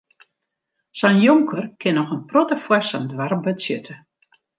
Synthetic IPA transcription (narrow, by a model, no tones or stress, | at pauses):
sanjoŋkʰərkʰɪnɔxənprotəfwɛsandʋarbətsjøtʰə